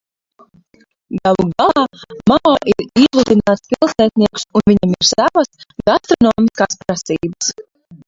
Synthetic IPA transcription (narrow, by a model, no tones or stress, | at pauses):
ɡalˠuɡalˠɑːmaɔːʔiɾizlˠud̪inaːt̪spilˠsɛːt̪niɛku̥sunviɲamiɾsavɐsɡast̪ɾɔnɔːmiskaːspɾasiːbəs